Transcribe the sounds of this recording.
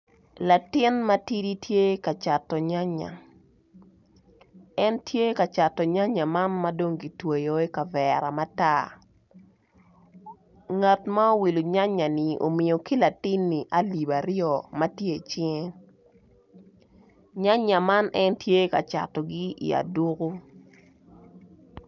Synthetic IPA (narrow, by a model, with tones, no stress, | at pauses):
la˨tɪ˦nma˦ti˦di˦tʰje˦ka˨t͡ʃa˨tːɔ˨ɲa˦ɲa̰˨ | ɛ˦ntje˦ka˨t͡ʃa˨tɔ˨ɲa˦ɲa˨ma˦nma˦do˦ŋɡi˨twe˨jo˨e˦ka˨vɛɾa˨ma˦ta˦ | ŋa˨tma˦o˦wi˨lu˨ɲa˦ɲːa˨ni˨o̰˨mɪ˨jo˨ki˦la˨tɪ˦nːi˨ʔa˦li˨ba˨ɾjɔ˦˨mɐ˦tje˦˨t͡ʃɪ˦ŋe˦ | ɲa˦ɲa˨ma˦nɛ˦ntje˦ka̰˨t͡ʃa̰˨tɔ˨ɡi˦ḭ˨a̰˨du˦ko˦